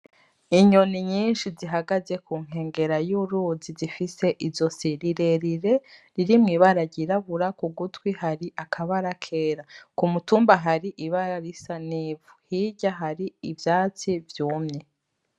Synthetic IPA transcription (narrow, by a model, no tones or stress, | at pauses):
iɲoniɲiːnʃiziɦaɡaze̞kʰuːŋ̥e̞ːŋɡe̞ɾajuɾuzizifise̞ʔizo̞siɾiɾe̞ɾiɾe̞ɾiɾimŋiːβaɾaɟiɾaβuɾakuɡutwihaɾiʔakʰaβaɾakʰe̞ːɾakumutuːmbaɦaɾiʔiβaɾaɾisaniːvuhiɟaɦaɾiivjaːt͡sivjuːmɲe̞